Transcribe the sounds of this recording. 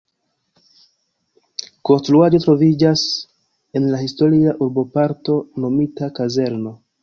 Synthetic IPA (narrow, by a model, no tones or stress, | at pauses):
ko̞nstɾuad͡ʒo̞tɾo̞vid͡ʒas | e̞nlahisto̞ɾiaʔuɾbo̞paɾto̞no̞mitakaze̞ɾno̞